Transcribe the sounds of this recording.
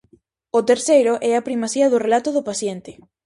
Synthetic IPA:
ʊt̪eɾsejɾʊʔɛapɾimasiɐðʊrelat̪ʊðʊpasjent̪ɪ

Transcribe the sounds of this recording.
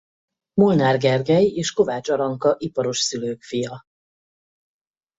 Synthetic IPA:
mulnaːrɡɛrɡɛjeːʃko̞vaːt͡ʃɒɾɒŋkɒʔipɒɾo̞ʃsyløːkfijɒ

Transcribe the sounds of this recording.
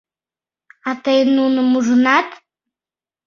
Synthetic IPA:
at̪ejnunɨmuʐunat̪

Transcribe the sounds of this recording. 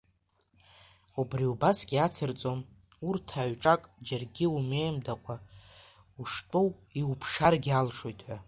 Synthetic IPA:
ubriubasɡʲat͡sʰɨrt͡sʼo̞n | urtʰaɥʈ͡ʂʼakʼd͡ʒarɡʲɪumejmdakʷʼa | uʂtʼowiupʰʂarɡʲalʂo̞jtʼʰħʷa

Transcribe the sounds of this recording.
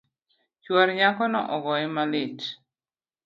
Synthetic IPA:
t͡ʃwɔɾɲakɔnɔ̰ʔɔɡɔɛmalɪt͡ʃ

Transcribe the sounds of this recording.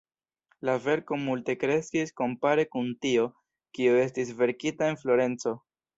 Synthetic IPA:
lave̞ɾko̞multe̞kɾe̞skisko̞mpaɾe̞kuntio̞ | kiue̞s̬tis̬ve̞ɾkitae̞nflo̞ɾe̞nt͡so̞

